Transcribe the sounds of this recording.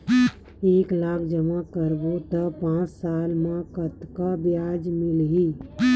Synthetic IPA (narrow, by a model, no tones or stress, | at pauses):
eːklaːbʰd͡ʒəmakəɾbot̪əpãːt͡ʃsaːlmẽkət̪kabjaːd͡ʒmɪlɦi